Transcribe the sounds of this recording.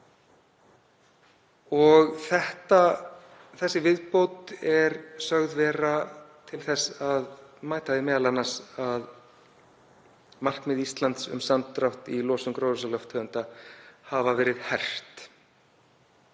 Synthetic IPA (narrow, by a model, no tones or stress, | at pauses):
ɔɣθɛht̪a | θɛsːɪvɪðpowt̪ɛɾsœɣðvɛːrat̪ʰɪlθɛsaðmaːjt̪aðɪmɛːðalanːasað | mar̥kmɪðist̪lant̪sʏ̰msant̪ːɾawht̪ilɔːsʏmkɾowðʏsalɔwft̪ʰœːʏnt̪ahavavɛːɾɪð̥hɛr̥t̪